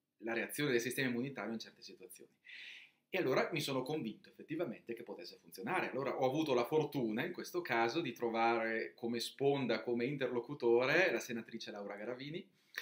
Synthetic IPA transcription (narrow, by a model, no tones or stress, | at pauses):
laɾeat̪sːjoːned̪elsist̪ɛːmaimːunit̪aːɾjoint͡ʃɛrt̪e̥sit̪uat̪sːjo̰ːni | ealːoːɾamisoːnokoɱvint̪oefːet̪ːivament̪ek̟epːot̪esːefunt̪jonaːɾealːoːɾaʔɔavuːt̪olafort̪uːnaiŋkwest̪okaːzod̪it̪ɾovaːɾekomespond̪akomeint̪erlokut̪oːɾelasenat̪ɾiːt͡ʃelawɾaɡaɾaviːni